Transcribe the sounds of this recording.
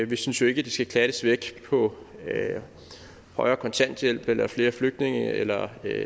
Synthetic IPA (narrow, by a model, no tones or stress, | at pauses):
ʋisynsjo̝e̝ɡ̥əd̥isɡ̥ækʰlæɾ̥əsʋeɡ̥pʰɒ̽ | ø | hɒɪɐːkʰɒ̽nt͡sʰæn̰d̥jel̰b̥elɐfle̝ːɐfløɡ̥̚d̥ne̝ŋəelɐ